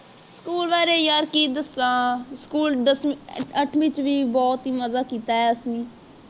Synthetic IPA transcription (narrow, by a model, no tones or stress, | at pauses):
skuːlʋaːɾeːjaːɾkiːd̪əsãːskuːlɖəsəʈʰʋɪt͡ʃʋiːbɔːt̪iːməzaːkiːt̪aːɦɛːəsĩː